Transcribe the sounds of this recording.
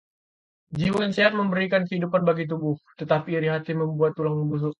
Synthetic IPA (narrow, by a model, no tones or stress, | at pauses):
d͡ʒiwanseat̚məmbəɾikankəɦidupanbaɡit̪̬ubʊht̪ət̪apiːɾiɦat̪iməmbuat̪ːulaŋməbus̬ʊ